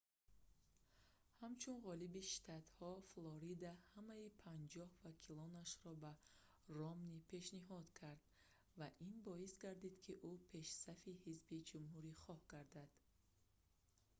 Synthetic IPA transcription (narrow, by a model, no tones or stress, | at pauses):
hamt͡ʃʰunʁɔlibiʃi̥t̪ʰat̪hɔflɔɾid̪ahamaipʰand͡ʒɔhvakʰilɔnaʃɾɔba | rɔmnipʰe̞ʃniɦɔd̪̥kʰaɾd̪ | vaʔinbɔisɡaɾd̪id̪kʰiʔupʰe̞ʃsafihizbid͡ʒumhuɾiχɔhɡaɾd̪ad̪̥